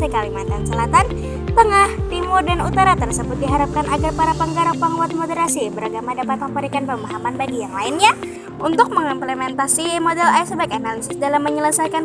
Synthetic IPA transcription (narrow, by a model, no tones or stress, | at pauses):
əkalimant̪ansəlat̪an | t̪əŋahdimodanut̪aɾat̪ərsəbʊt̪̚diɦaɾap̚kanaɡarpaɾapəŋɡaɾapaŋuat̪̚modəɾasibəɾaɡamadapat̪̚məmpəɾikanpəmaɦamanbaɡijaŋlaɪnɲa | unt̪ʊk̚məŋimplemɛnt̪asimodɛlajsəbaɪkanalisɪsdalamːəɲələsajkan